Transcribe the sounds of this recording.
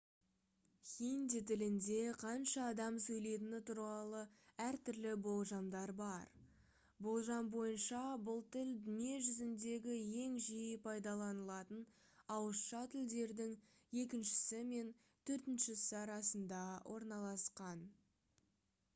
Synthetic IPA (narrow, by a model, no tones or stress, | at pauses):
χʲind̪it̪ʰɪlɪnd̪e̞qʰɑnʃɑːd̪ɑmsɵjle̞jt̪ɪnɪt̪ʰuɾʁɑlˠəæɾt̪ʰʏɾlɪbo̞lˠʒɑmd̪ɑɾbɑɾ | bo̞lˠʒɑnbo̞jənʃɑbʊlˠt̪ʰɪld̪ɪme̞ʒʏzɪnd̪e̞ɡʲɪje̞ŋʒijɪpʰɑjd̪ɑlˠɑnəlˠɑt̪ən | ɑwəsʃɑt̪ʰɪld̪e̞ɾd̪ɪŋe̞k̬ʲɪnʃɪ̥sɪme̞n | t̪ʰɵɾt̪ɪnʃɪsɪɑɾɑsənd̪ɑwʔo̞ɾnɑlˠɑsqɑn